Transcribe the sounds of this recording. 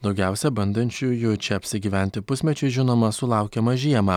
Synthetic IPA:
d̪ɒʊɡʲæˑʊsʲɛbɐnd̪ɐnʲt͡ʃʲujʊjut͡ʃʲɛɐpʲsʲɪɡʲiːʋʲæˑnʲt̪ʲɪpʊsʲmʲɛt͡ʃʲɛɪʒʲɪnoːmɐsʊlˠɑˑʊkʲɛmɐʒʲiɛmɑː

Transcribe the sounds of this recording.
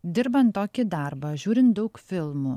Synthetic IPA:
d̪ʲɪɾbɐnt̪ːoːkʲɪd̪ɐɾbɐʒʲuːɾʲɪnt̪̚d̪ɐʊkfʲɪlˠmʊ

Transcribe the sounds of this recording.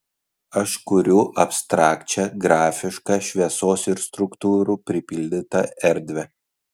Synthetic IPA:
ɐʃkʊɾʲʊʔɐpst̪ɾɑːkt͡ʃʲɛɡɾɑːfʲɪʃkɑːʃʲʋʲiɛsoːsɪɾst̪ɾʊkt̪uːɾupʲɾʲɪpʲɪlʲd̪ʲɪt̪ɐɛɾʲˑd̪ʲʋʲɛ

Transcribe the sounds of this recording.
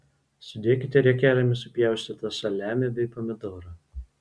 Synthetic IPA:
sʲʊd̪ʲeːkʲɪt̪ʲɛɾʲɛkʲeːɾʲɐmʲɪsʊpʲjɛˑʊsʲt̪ʲɪt̪ɐsɐlʲæːmʲɛbʲɛɪpɔmʲɪd̪oːɾɐ

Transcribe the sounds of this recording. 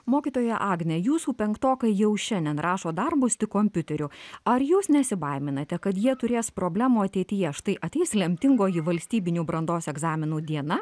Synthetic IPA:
moːkʲiːt̪oːjɛʔɑːɡnʲɛjuːsuːpʲɛŋkt̪oːkɐɪjɛʊʃʲɛnʲd̪ʲɛnɾʔɑːʃoːd̪ɐrbʊst̪ʲɪkoːmʲpʲʊt̪ʲɛɾʲʊɐɾjuːsnʲɛsʲɪbɐɪmʲɪnɐt̪ʲɛkɐt̪jiɛt̪ʊɾʲeːspɾoːbʲlʲæːmuːɐt̪ʲɛɪt̪ʲɪjɛʃt̪ɐɪʔɐt̪ʲɛɪslʲɛmʲt̪ʲɪŋɡoːjɪʋɐlʲsʲt̪ʲiːbʲɪnʲubɾɐnd̪oːsɛɡzɑːmʲɪnuːd̪ʲiɛnɐ

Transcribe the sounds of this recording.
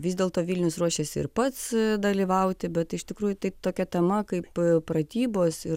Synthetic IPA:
ʋʲɪzd̪ʲeːlˠt̪oːʋʲilʲnʲʊsruɔʃʲeːsʲɪɪ̰ɾpɐt̪sd̪ɐlʲiːʋɐʊt̪ʲɪbʲɛt̪ɪʃt̪ʲɪkɾuːjʊt̪ɐɪt̪oːkʲɛt̪ʲɛmɐkɐɪppɾɐt̪ʲiːboːsɪ

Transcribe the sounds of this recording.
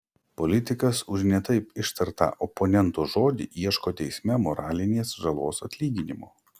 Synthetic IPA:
pɔlʲɪt̪ʲɪkɐsʊʒnʲɛt̪ɐɪpɪʃt̪ɐɾt̪ɑ̰ːʔɔpɔnʲɛnt̪oːʒoːd̪ʲḭːʔiɛʃkoːt̪ʲɛɪsʲmʲɛmɔɾɑːlʲɪnʲeːsʒɐlˠoːsɐt̪ʲlʲiːɡʲɪnʲɪmoː

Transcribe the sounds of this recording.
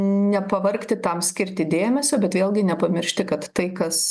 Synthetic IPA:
nʲɛpɐʋɐrkt̪ʲɪt̪ɐmsʲkʲɪɾʲt̪ʲɪd̪ʲeːmʲɛsʲoːbʲɛt̪ʋʲeːlˠʲɡʲɪnʲɛpɐmʲɪɾʲʃʲt̪ʲɪkɐt̪ːɐɪkɐs

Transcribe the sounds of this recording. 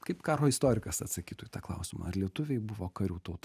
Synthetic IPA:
kɐɪpkɑːɾoːɪst̪oːɾʲɪkɐsɐt̪sɐkʲiːt̪uːjit̪ɑːklˠɐ̰ʊsʲɪmɐ̰ɐrlʲiɛt̪ʊʋʲɛɪbʊʋoːkɐɾʲuːt̪ɐʊt̪ɐ

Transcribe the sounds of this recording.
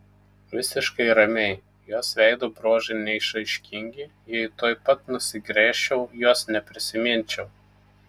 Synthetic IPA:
ʋʲɪsʲɪʃkɐɪɾɐmʲɛɪ | juɔsʋʲɛɪd̪oːbɾoːʒɐɪnʲɛɪʃɐɪʃʲkʲɪŋʲɡʲɪ | jɛɪt̪oːjpɐt̪nʊsʲɪɡɾʲeːʃʲɛʊjuɔsnʲɛpʲɾʲɪsʲɪmʲɪnʲt͡ʃʲɛʊ

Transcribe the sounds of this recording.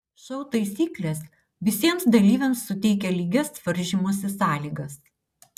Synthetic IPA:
ʃɐʊt̪ɐɪsʲiːklʲeːs | ʋʲɪsʲiɛmsd̪ɐlʲiːʋʲɛmsːʊt̪ʲɛɪkʲɛlʲiːɡʲɛsʋɐɾʲʒʲɪmuɔs̬ʲɪsɑːlʲiːɡɐs

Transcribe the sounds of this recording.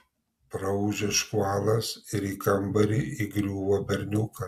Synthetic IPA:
pɾɐʒʲɛʃkuaːlˠɐsɪɾiːkɐmbɐɾʲɪʔiɡɾʲuːʋɐbʲɛɾʲnʲuːkɐ

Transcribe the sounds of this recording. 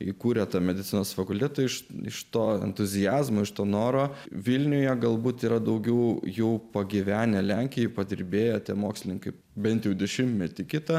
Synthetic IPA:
ikuːɾʲɛt̪ɑmʲɛd̪ʲɪt̪sʲɪnoːsfɐkʊlʲt̪ʲɛt̪ɐɪʃɪ̰ʃt̪oːɛ̰nt̪ʊzʲɪjæːzmoːɪʃt̪oːnoːɾoːʋʲɪlʲnʲʊjɛɡɐlˠbuːt̪iːɾɐd̪ɐʊɡʲɛʊjɛʊpɐɡʲɪʋʲæːnʲɛlʲæŋʲkʲɪjɛɪpɐd̪ʲɪɾʲbʲeːjɛt̪ʲiɛmoːksʲlʲɪnʲɪŋkɐɪ | bʲɛnt̪jɛʊd̪ʲɛʃʲɪmtʲmʲɛt̪ʲɪkʲɪt̪ɐ

